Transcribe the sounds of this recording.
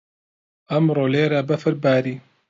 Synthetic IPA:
ʔɐmɾoːleːɾabɐfɨɾbaːɾiː

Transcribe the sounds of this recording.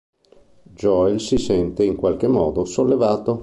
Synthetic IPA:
d͡ʒɔjlsisɛnt̪eiŋkwalk̟emːɔ̰ːd̪osolːevaːt̪o

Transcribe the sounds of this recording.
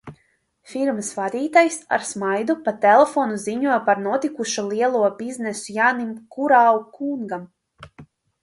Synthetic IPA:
fiɾməsvad̪ʲiːt̪ajsa̰ɾsmajd̪upat̪ɛlˠɛfɔːnuziɲuɔjpaɾnuɔt̪ikuʃulˠiɛlˠuɔbiznɛsujanimkuɾaːwukuŋɡam

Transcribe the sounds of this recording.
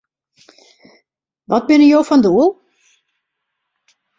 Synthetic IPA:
ʋɔt̚bɪnəjowfɔnduəlˠ

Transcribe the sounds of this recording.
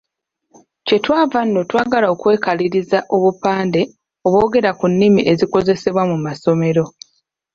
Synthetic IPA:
ce̞twaːvanːo̞twaːɡalao̞kwe̞ːkaliɾizaʔo̞βupaːnde̞ | o̞βwo̞ːɡe̞ɾakunːimiʔe̞ziko̞ze̞se̞βwamumaso̞me̞ɾo̞

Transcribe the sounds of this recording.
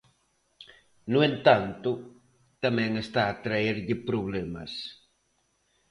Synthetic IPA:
nʊẽnt̪ãnt̪ʊ | t̪amɛ̃ŋest̪aːt̪ɾaeɾʎɪpɾoβlemɐ̰s

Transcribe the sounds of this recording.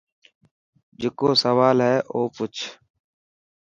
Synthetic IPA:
d͡ʒekoːsəʋaːlɦɛːʔoːpʊt͡ʃʰ

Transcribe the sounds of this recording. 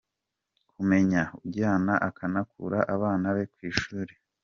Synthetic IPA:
kʰume̞ɲaubɟaːnaʔakʰanakʰṵɾaʔaβaːnaβe̞kwiːʃuːɾe

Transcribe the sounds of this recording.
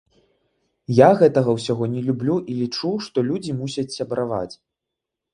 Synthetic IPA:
jaɣɛt̪ɐɣɐwsʲaɣɔnʲɛlʲublʲuʔilʲit͡ʂuʂt̪ɔlʲud͡zʲimusʲɐt͡sʲsʲɐbɾava̰t͡sʲ

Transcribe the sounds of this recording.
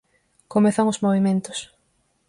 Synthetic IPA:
komeθaŋʊzmoβimẽnt̪ʊ̥s

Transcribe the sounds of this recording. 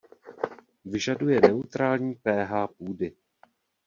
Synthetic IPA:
vɪʒadujɛnɛut̪ɾaːlɲiːpɛːɦaːpuːdɪ

